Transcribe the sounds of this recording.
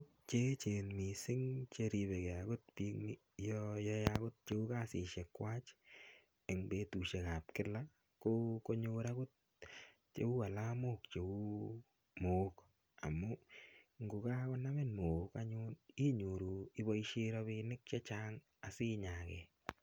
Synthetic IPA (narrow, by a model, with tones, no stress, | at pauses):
t̚ | t͡ʃe˦t͡ʃe˨nmi˨sɪ˦ŋt͡ʃe˧ɾi˧be˨ke˨a˨ɡʊ˦t̚pi˦kmi | jɔ˧jɔ˦jakʊ˦t̚t͡ʃe˦u˦ka˦sɪ˨ʃe˨kːwa˦t͡ʃ | e˨ŋbe˨tu˨ʃe˨ka˨p̚kɪ˦la˦ | ko˦ko˦ɲo˧ɾa˦kʊ˦t̚ | t͡ʃḛ˨u˦a˨la˦mo˦kt͡ʃe˨u˦ | moː˨k | a̰˨mʊ˦ŋɡu˨ka˦kʊ˦na˦me˦nmo˨ka˦ɲʊ˦ni˦ɲo˨ɾu˨ɪ˦bɔ˦iʃi˦ɾɔ˧βɪ˧nɪ˦k̚t͡ʃe˦t͡ʃa˦ŋ | a˨si˦ɲa˨kɛ˨